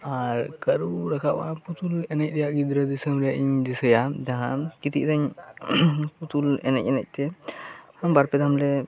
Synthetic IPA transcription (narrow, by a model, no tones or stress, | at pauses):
aɾkəɾuɾakʰabaput̪ulɛnac̚ɗ̪ɛjaʔɡid̪ɾad̪isəmɾijaʔiɲdisəjad͡ʒaɦãkit̪ḭʔɾaɲ | put̪ulɛ̰nac̚ˀɛnac̚t̪ɛhambaɾpɛd̪ʱamlɛ